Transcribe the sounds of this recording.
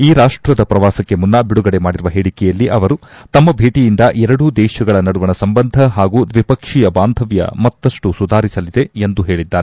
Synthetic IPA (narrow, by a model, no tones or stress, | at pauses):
iːɾaːʂʈɾɐd̪ɐpɾɐʋaːsɐkːe̞munːɐbiɽuɡɐɽe̞maːɽiɾuʋɐɦeːɽikɛjɐlːiʔɐʋɐɾut̪ɐmːɐbʱeːʈijind̪ɐʔɛɾɐɽud̪ɛːʃɐɡɐɭɐnɐɽuʋɐnɐsɐmbɐnd̪ʱɐɦaːɡuːd̪ʋipɐkʂijɐbaːnd̪ʱɐʋjɐ̰mɐt̪ːɐʂʈusud̪ʱaːɾisɐlid̪e̞end̪uɦe̞ːɭid̪ːaːɾe